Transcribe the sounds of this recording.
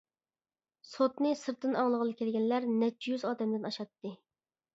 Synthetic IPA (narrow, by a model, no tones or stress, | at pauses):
sot̪nɨsɨɾt̪ːɨnɑŋlˠəʁəlˠɨkʲelɡʲɛnlæɾnɛt͡ʃːjyzɑːd̪ɛmd̪ɪnɑʃɑt̪ːɨ